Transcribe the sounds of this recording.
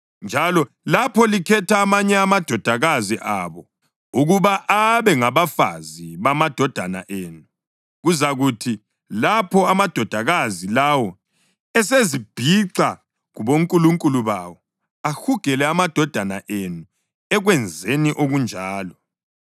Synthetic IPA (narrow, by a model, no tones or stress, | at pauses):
nd͡ʒʱalɔ | lapʰɔlikʰɛtʰaːmaɲɛamad̥ʱɔd̥ʱaɣaziʔaːβɔ | uɣuβaʔaβɛŋaβafa̰ziβamad̥ʱɔd̥ʱana̰ʔeːnu | ɣuzaɣutʰi | lapʰɔamad̥ʱɔd̥ʱaɣazilawɔ | ɛsezib̥ʱiǀa | ɣuβoŋkʼuluŋkʼuluβa̰wɔ | ahuɡ̥ʱɛlɛamad̥ʱɔd̥ʱana̰ʔenu | ɛɣwɛnd͡zʱeniʔoɣund͡ʒʱaːlɔ